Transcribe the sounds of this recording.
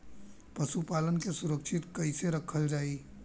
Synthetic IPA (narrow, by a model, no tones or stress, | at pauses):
pəsupalənkesuɾəkʃʰit̪kəɪseɾəkʰəld͡ʒaːi